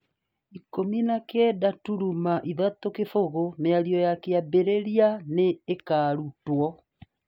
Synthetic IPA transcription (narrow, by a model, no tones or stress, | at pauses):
ikominakɛːdatuɾumaʔiðatokefoɣoneaɾiɔjakeabeɾeɾianeːkaːɾutwɔ